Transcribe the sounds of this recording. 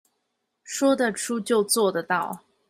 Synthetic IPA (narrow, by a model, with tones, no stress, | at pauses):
ʂwɔ˥d̪ə˨ʈ͡ʂʰu˥t͡ɕjo˥˧ʊt͡swɔ˥˩d̪ə˩t̪ɑ˥˩ʊ